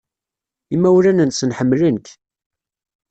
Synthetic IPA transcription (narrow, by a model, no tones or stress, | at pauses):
imːæwlænənsənħəmːlənk